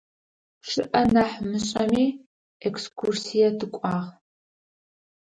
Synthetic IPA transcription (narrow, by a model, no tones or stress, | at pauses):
ʂɨʔɐnɐħmɨɕʼɐmiː | ekskʰursijɐdʰɨkʷʼɑːʁ